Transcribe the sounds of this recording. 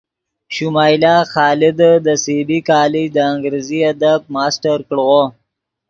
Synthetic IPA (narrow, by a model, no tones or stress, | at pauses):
ʃumɑːjlɑːxɑːlɪd̪əd̪əsibikɑːlid̪əaŋɡɾeziad̪ab̚mɑːsʈaɾkɽɣo